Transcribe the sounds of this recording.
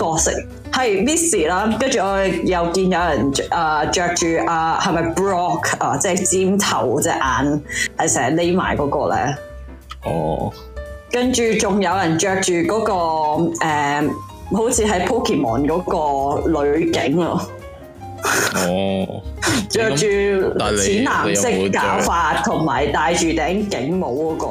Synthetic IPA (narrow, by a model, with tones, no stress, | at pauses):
kɔː˧sɪ̰˥k̚ | hɐ˨jliː˥siː˨˩laː˥kɐ˥nt͡ʃyː˨ɔː˧˨jɐ˨˧wkiː˧njɐ˨˧wjɐ˨˩nʔaː˨t͡ʃœː˨˧k̚t͡ʃyː˨ʔaː˧hɐ˨jmɐ˨˧jpɹɔː˥kʰaː˨˧t͡sɛː˥˩t͡siː˥mt̪ʰɐ̰˨˩wt͡sɛː˥ʔaː˨˧nhɐ˨jsɛː˨˩˦le˥jma̰ː˨˩jkɔː˨˥kɔː˧lɛ̰ː˥ | ɔ̰˧ | kɐ˥nt͡ʃyː˨t͡ʃʊ˨ŋjɐ˨˧wjɐ˨˩nt͡ʃœː˧k̚t͡ʃyː˨kɔː˨˥kɔː˧ʔɛː˨ | ho˨˥wt͡sʰiː˨˧ɦɐ˨˥jpʰo˥kʰi˨˩mɔː˨˩nkɔː˨˥kɔː˧lɵ˨˧kɪ˨˥ŋɔ̰˧ | t͡ʃœː˧k̚t͡ʃyː˨t͡sʰiː˨˥nnaː˨˩mssɪ˥kkːaː˨˥wfaː˧t̚t̪ʰːʊ˨˩ŋma̰ː˨˩jt̪aː˧jt͡ʃyː˨t̪ɛː˨˥ŋkɪ˨˥ŋmo˨˧wkɔː˨˥kɔː˧